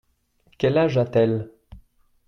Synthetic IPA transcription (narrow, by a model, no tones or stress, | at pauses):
kʲɛlaʒat̪ɛl